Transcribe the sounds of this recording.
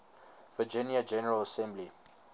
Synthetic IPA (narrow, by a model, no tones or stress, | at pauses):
v̥əd͡ʒɪ̃njəd͡ʒɛnəɹələsɛ̃mbli